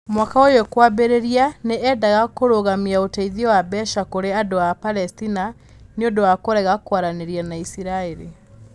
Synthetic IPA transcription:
mwakaojokwabeɾeɾianeɛdaɣakoɾoɣamiaotɛiðiɔwabɛʃakoɾeadoapalɛstina | neodowakoɾɛɣakwaɾaneɾianaisiɾaeɾḭ

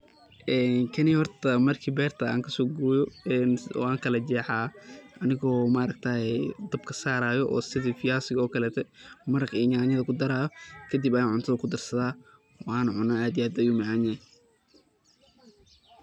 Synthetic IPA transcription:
ʔɛːnkʰɐnɪhɔrt̪ʰɐmɐrkʰiːbɛːrt̪ʰɐa̰ːŋkʰɐsɔːɡuːjɔɛnɔ̰ːaːŋkʰɐlɐd͡ʒɛːħaːʔɐnɪɣɔːmaːɾɐɡ̚t̪ʰaːhɛd̪ɐbkʰɐsaːɾaːjɔʔɔ̰ːsɪðifɪjaːsɪɣɔːkʰɐlɛːt̪ʰɛmɐɾɐqiɲaːɲɐðɐkʰʊd̪ɐɾaːjɔkʰɐd̪ibɐjaːnʕʊnt̪ʰɐðɐkʰʊd̪ɐrsɐðaː | wɑaːnʕʊnaaːd̪ijaːd̪ɐjuːmɑʕaːna

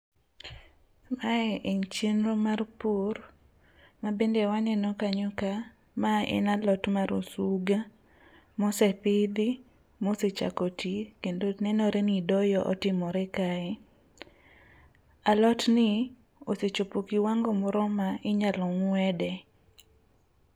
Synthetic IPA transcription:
maɛʔeɲt͡ʃenɾomarpur | mabendewanɛnɔkaɲoka | maɛ̰nalɔtmaɾosuɡa | mɔsɛpɪd̪ɪ | moset͡ʃa̰kotʰikendonɛnɔɾenidɔjɔʔɔ̰tɪmɔɾɛkaɛ | alɔtnɪ | oset͡ʃopokiwaŋɡomɔɾɔmaɪɲalɔŋwɛdɛ

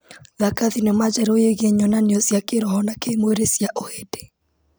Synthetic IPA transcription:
ðakaðinɛmad͡ʒɛɾojeɣeɲɔnaneɔsjakeɾɔhɔnakeimoeɾesjaʔohede̥

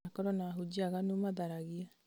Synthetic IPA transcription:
kɔɾɔnaɦud͡ʒiaɣanumaðaɾaɣia

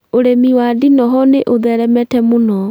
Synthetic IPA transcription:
oɾemiwadinɔɦɔneʔoðɛɾɛmɛtɛmonɔ

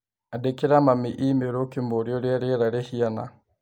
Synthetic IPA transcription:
adekiɾamamiʔimeɾokimboɾjoɾjaɾeɾaɾehiana̰

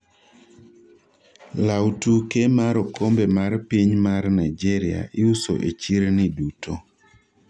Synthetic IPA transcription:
lawtukemaɾɔkʰombemarpiɲmarnajd͡ʒɛɾɪa̰ʔɪuso̰ʔet͡ʃiɾnidutʰo

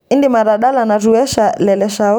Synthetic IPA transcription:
indimaɾaɗalanaɾuɛʃalɛlɛʃa

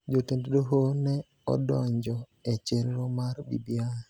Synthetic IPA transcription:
d͡ʒotenddoɦonɛ | ɔ̰dɔɲd͡ʒɔ | et͡ʃelɾɔmaɾbḭbia

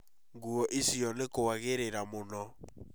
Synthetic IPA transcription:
ŋɡuɔʔisiɔnɪkowaɣeɾeɾamʊnɔ

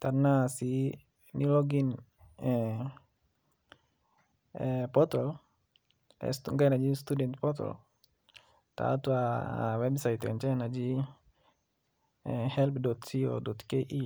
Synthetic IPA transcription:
t̪arnasi | nilɔɡin | ɛ | pɔt̪ɔl | ɛ̰st̪uŋɡainad͡ʒist̪udɛnt̪̚pɔt̪ɔ̰l | t̪a̰t̪ua̰wɛbsait̪ɛ̰ɲt͡ʃɛnad͡ʒi | hɛlpdɔt̪sio̰dɔt̪keʔi

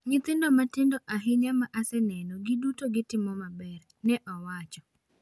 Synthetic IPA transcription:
ɲɪt̪ɪndɔmatɪndɔʔaɦɪɲamaʔasɛnɛnɔɡidutoɡɪtɪmɔmabɛr | nɛʔɔwat͡ʃɔ̥

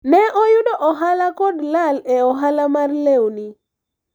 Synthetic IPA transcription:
nɛʔɔjʊdɔʔɔɦalakɔdlalɛɔɦalamarlewni

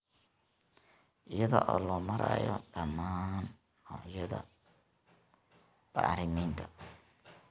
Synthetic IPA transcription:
ʔɪjɐðɔ̰ʔɔːlɔːmɐɾa̰jɔ̰ɖɐmːaːnː | ɔːjɐðɐ̰ | b̥a̰ːʕɾɪmiːnt̪ʰɐ

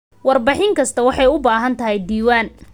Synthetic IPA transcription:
wɑrbɪħɪŋkʰɐst̪ʰɐwɑħɑjʊbaːɦɐnt̪ʰɐɦɛjd̪iːwaːn

